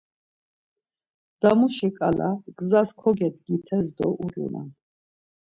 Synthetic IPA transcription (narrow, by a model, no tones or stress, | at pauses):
d̪̥amuʃikʼalaɡzaskʰɔɡɛd̪ɡit̪ʰɛzd̪ɔʔuɾṵna̰n